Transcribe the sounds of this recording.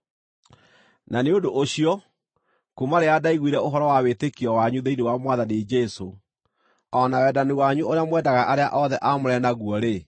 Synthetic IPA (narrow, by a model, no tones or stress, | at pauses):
naneondoʔoɕiɔ | kumaɾeadaiɣwiɾɛoɦɔɾɔwawetekiɔwaɲuðeinewamwaðaned͡ʒɛso | ɔnawɛːdaniwaɲuoɾeamwɛːdaɣaʔaɾeaʔɔðɛʔamoɾɛnaɣuɔɾe